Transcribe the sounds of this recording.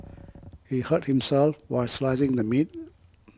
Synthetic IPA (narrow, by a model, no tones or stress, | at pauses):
hihət̚hɪ̃msɛlˠfwaɪlslaɪzɪ̃ŋd̪əmit̚